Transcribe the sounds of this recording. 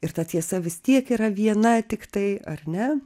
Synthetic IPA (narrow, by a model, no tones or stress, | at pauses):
ɪrt̪ɐt̪ʲiɛsɐʋʲɪst̪ʲiɛkiːɾɐʋʲiɛnɐt̪ʲɪkt̪ɐɪɐrnʲɛ